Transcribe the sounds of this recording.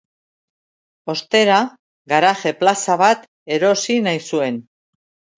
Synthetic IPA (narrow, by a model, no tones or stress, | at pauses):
o̞st̪e̞ɾa | ɡaɾaʝe̞plasaβ̞at̪ | e̞ɾo̞sinajsue̞n